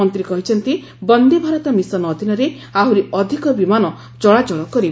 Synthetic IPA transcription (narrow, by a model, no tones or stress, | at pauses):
ɔnt̪ɾikɔɦit͡ʃʰɔnt̪i | bɔnd̪ibʱaɾɔt̪amisɔnɔd̪ʱinɔɾe | aɦuɾiɔd̪ʱikɔbimanɔ | d͡ʒɔɭad͡ʒɔɭɔkɔɾi